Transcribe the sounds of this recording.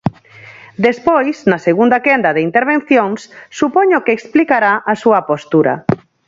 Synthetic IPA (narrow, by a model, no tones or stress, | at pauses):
d̪espojsnɐseɣund̪akɛnd̪ɐðeint̪eɾβẽnθjoŋsːupoɲokeːksplikaɾaʔasuɐpost̪uɾɐ̰